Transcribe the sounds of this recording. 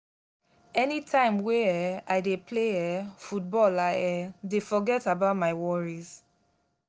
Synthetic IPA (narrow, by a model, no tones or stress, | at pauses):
ɛnitʰãɪ̃mweɛaɪdepʰleɛfut̚bɔlaɛdefɔɡɛtabaʊtmaɪwɔɹiz